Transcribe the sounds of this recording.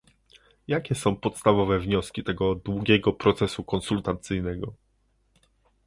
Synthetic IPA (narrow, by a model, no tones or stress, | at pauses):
jakʲɛsɔ̃w̃pɔt̪st̪avɔvɛvɲɔskʲit̪ɛɡɔd̪wuɡʲɛɡɔpɾɔt̪sɛsukɔnsult̪at̪sɘjnɛɡɔ